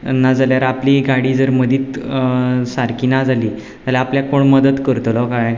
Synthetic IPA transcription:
nad͡zaljaɾapliɡaɽiːd͡zəɾməd̪ʱiːt̪ | saɾkiːnad͡zʱaliː | d͡zaljaapljakoɳməd̪ət̪kəɾt̪lɔkaj

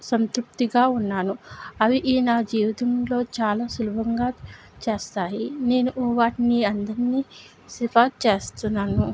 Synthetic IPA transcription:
sɐnt̪ɾup̚t̪iɡaːunːaːnuɐʋiʔiːnaːd͡ʒiːʋit̪ɐmlo̞ːt͡ʃaːlaːsulubʱɐŋɡaː | t͡ʃe̞ːst̪aːjine̞ːnuʔɔːʋaːʈiniːɐnd̪ɐɾiniː | sifaːt͡ʃe̞ːst̪unːaːnu

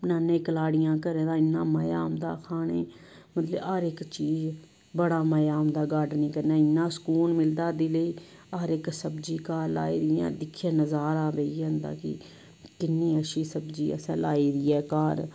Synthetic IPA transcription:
pnãːnẽːkəlaːɽɪjãːkəɾeːd̪ãːɪnːãːməjaːmd̪a̰ːkʰaːɳeː | mət̪ləbaːɾɪkt͡ʃiːz | bəɽaːməjaːmd̪aːɡaɖnĩːkəɾnãːɪnːãːsə̥kuːnmɪld̪aːd̪iːləiːaɾɪksəbd͡ʒiːkaːɾla̰ːiːɾiã̰ːd̪ɪkʰːjãːnəzaːɾaːbeiːənd̪a̰ːkɪ̰ | kɪnːiːəʃiːsəbd͡ʒiːə̰sɛ̰̃ːla̰ːiːɾɪːɛːkaːɾ

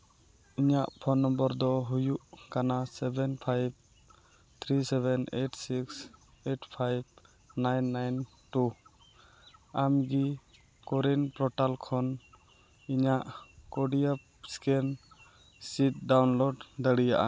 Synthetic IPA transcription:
iɲaʔpʰɔnːɔmbɔɾd̪ɔɦujuʔkanasɛbʱɛnpʰajb̚ | t̪ʰɾisɛbɛneʈsiks | eʈpʰajb̚ | najnːajn | ʈu | amɡi | kɔɾinpɾɔʈalkʰɔn | iɲaʔkɔɖija | skɛn | sit̪̚ɖawnloɖd̪əɽija̰ʔa̰

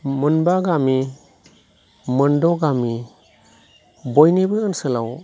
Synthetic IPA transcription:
mɯnbaɡami | mɯndɔɡami | bɔjnibɯɯnsɯla̰w

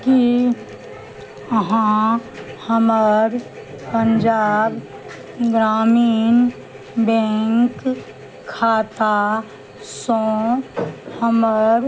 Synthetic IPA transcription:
ki | əɦã | həməɾ | pənd͡ʒaːb | ɡɾaːmiːn | bɛ̃ŋkʰː | aːt̪a | sõ | həməɾ

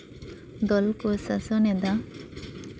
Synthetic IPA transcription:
d̪ɔlkɔsasɔnɛd̪a

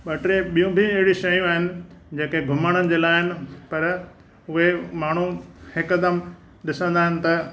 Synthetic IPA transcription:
ɓɐʈɾeɓijũbʱiɐɦɪɽiʃɐjũaːɦɪnɪ̆d͡ʑẽːkeɡʱʊmaɽ̃ənɪ̆d͡ʑeːlaːɦɪnɪ̆pɐɾ | ʊɦemaːɳ̤uhɪkd̪əm | ɗɪsə̃nd̪aːɦɪnɪ̆t̪ɐ

